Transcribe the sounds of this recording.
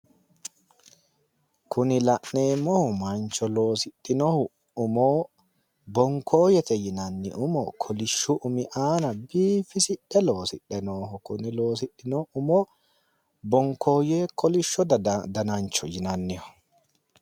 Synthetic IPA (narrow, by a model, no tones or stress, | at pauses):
kʊnɪlɐʔneːmːɔhʊmɐnt͡ʃːɔlo̞ːsɪtːɪnohʊ | ʊmoː | bɔŋkʰo̞ːjɛt̪ɛjɪnɐnːɪ̰ʔʊmɔ̰kʰɔlɪʃːʊʔʊmɪʔaːnɐbiːfɪsɪᶑːɛlo̞ːsɪɗɛnoːɦʊkʊnɪlo̞ːs̬ɪɗɪnoʊmo | bɔŋkʰo̞ːjeːkɔlɪʃːɔd̪d̪ɐnɐnt͡ʃːɔjɪnɐnːɪhɔ̥